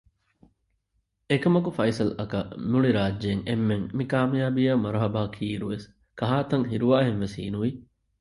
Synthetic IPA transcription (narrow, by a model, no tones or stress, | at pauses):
ekɐmɐkufɐjsɐlɐkɐnuɭiɾaːdd͡ʒeːŋemːeŋmikaːmijaːbijɐmɐɾɐɦɐbaːkʰiːɾuʋes | kɐɦaːt̪ɐŋɦiɾuʋaːɦenʋesḭːnuʋi